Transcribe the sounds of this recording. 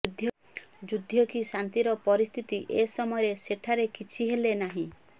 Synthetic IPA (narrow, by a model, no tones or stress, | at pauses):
ud̪ʱjɔ | d͡ʒud̪ʱjɔkisant̪iɾɔpɔɾist̪ʰit̪iʔesɔmɔɔɾeseʈʰaɾekit͡ʃʰiɦelenaɦĩ